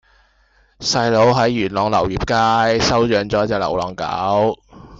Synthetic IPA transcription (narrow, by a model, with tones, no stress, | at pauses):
sɐ˧jlo˨˥wɦɐ˨˥jːyː˨˩nlɔː˨ŋlɐ˨˩wjiː˨p̚kaː˥jsɐ˥wt͡ʃœː˨ŋt͡ʃɔː˨˥t͡sɛː˨˧k̚lɐ̰˨˩wlɔː˨ŋka̰ː˨˥w